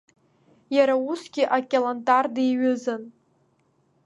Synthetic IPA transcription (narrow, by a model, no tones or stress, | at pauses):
jaɾausɡʲɪʔakʲʼelantʼardiɥʊzan